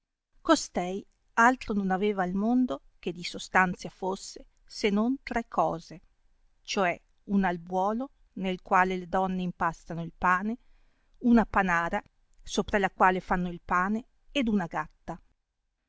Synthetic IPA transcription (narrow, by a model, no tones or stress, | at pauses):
kost̪ɛj | alt̪ɾononaveːvailmond̪o | k̟ed̪isost̪ant̪sjafosːe | senːont̪ɾɛkʰːɔːze | t͡ʃoɛ | unalbwɔːlo | nelkwaːleled̪ɔnːeimpast̪anoilpaːne | unapanaːɾa | soːpɾalakwaːlefanːoilpaːneː | d̪unaɡat̪ːa